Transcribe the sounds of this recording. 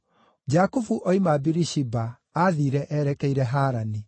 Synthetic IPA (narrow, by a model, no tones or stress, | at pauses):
d͡ʒakufuʔɔimabiɾiʃibaː | ðiːɾɛʔɛɾɛkɛiɾɛɦaːɾani